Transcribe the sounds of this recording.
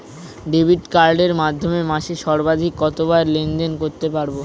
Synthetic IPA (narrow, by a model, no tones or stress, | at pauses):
ɖebʱiʈkaɾɖeɾmad̪ʱːomemaʃeʃɔɾbad̪ʱikːɔt̪obaeɾlend̪enkoɾt̪epaɾbo